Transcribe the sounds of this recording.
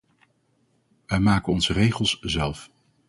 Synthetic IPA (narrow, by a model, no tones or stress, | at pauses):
ʋɛjmaːkənɔnzərejχəlˠszɛlˠf